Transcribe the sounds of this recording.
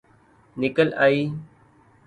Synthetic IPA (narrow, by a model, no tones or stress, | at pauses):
nɪkəlaːiː